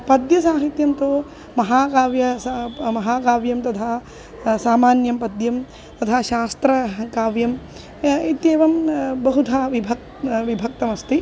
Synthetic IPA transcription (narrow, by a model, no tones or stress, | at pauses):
pɐd̪jɐs̬aːɦit̪jɐmt̪oː | mɐɦaːkaːʋjɐsmɐɦaːkaːʋjɐmt̪ɐt̪ʰaː | saːmaːnjɐmpɐd̪jɐm | t̪ɐt̪ʰaːʃaːst̪ɾɐkaːʋjɐm | it̪jeːʋɐmbɐɦut̪ʰaːʋibʱɐk | ʋibʱɐk̚t̪ɐmɐst̪i